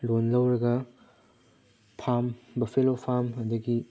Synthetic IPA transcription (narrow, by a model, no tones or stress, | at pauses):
lonlɐwɾɐɡɐ | pʰambɐpʰelopʰamɐdɐɡi